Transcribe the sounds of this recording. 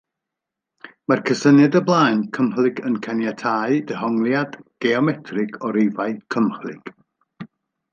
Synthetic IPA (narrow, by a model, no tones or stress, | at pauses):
markʰəsənɛdəblˠaːjnkʰəmhlˠɪɡənkʰanjatʰaɨdəɦɔŋlˠjad̥ɡ̥ɛɔmɛtʰrɪɡʰɔɾevaɨkʰəmhlˠɪɡ̥